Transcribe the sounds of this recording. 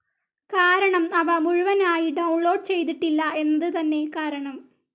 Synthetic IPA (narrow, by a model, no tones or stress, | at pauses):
kaːɾɐɳɐmɐʋɐmuɻuʋɐnaːjiɖɐwɳlo̞ːɖ̚t͡ɕe̞jt̪iʈːilːɐʔe̞nːɐðɨt̪ɐnːe̞kaːɾɐɳɐm